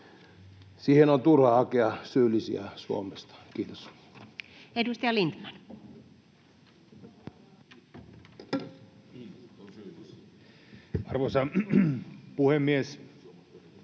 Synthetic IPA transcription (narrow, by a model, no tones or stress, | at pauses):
siːhenont̪urhɑɑkeɑsyːlːisḭæ̰suomest̪ɑ̥kiːt̪os | edust̪ɑjɑlint̪mɑn | ɑrʋosɑ | puhemːies